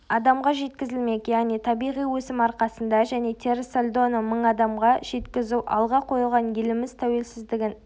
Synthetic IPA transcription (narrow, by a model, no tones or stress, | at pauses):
ɑd̪ɑmʁɑʒe̞t̪kʲɪzɪlme̞kʲjæʁnijt̪ʰɑbijʁijwɵsɪmɑɾqɑsənd̪ɑʒæne̞t̪ʰe̞ɾselʲd̪o̞nəməɴɑd̪ɑmʁɑʒ̥e̞t̪kʲɪzuʔɑ̰lˠʁɑqʰo̞jlˠʁɑnjelɪmɪzt̪ʰæwe̞lsɪzd̪ɪɡʲɪn